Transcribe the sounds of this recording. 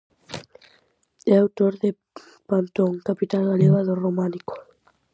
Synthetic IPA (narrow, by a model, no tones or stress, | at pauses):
eawt̪oɾðe | pant̪oŋkapit̪aŋaleɣaðoromaniko̥